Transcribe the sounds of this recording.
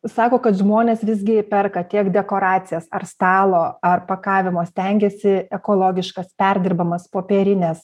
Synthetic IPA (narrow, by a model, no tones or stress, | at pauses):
sɑːkoːkɐt̪ʒmoːnʲeːsʋʲɪzʲɡʲɪpʲɛrkɐt̪ʲiɛkd̪ʲɛkoːɾɑːt̪t͡s̪ʲɪjɛsɐrst̪ɑːlˠoːɐrpɐkɑːʋʲɪmoːsʲt̪ʲɛŋʲɡʲɛsʲɪɛkoːlˠoːɡʲɪʃkɐspʲɛɾʲd̪ʲɪrbɐmɐspoːpʲeːɾʲɪnʲɛs